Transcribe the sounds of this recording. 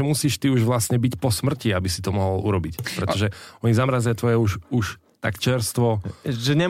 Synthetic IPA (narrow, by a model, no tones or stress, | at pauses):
ɛmusiːʃt̪iuʒʋlasɲɛbicpɔsmr̩ciabisit̪ɔmɔɦɔlṵɾɔbicpɾɛt̪ɔʒɛɔɲizamɾazajat̪ʋɔjɛuʃuʃ | t̪a̰kt͡ʃɛɾst̪ʋɔʒɛɲɛ